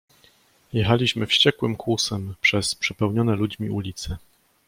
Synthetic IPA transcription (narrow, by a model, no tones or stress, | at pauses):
jɛxalʲiɕmɘfɕt͡ɕɛkwɘmkwusɛmpʂɛspʂɛpɛwɲɔnɛlud͡ʑmʲiulʲit̪sɛ